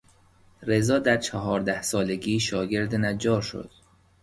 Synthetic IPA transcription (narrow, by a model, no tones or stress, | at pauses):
ɾe̞zɒːd̪æɾt͡ʃʰæɦɒːɾd̪æhsɒːle̞ɡiːʃɒːɟe̞ɾd̪enæd͡ʒɒːʃo̰d̪̥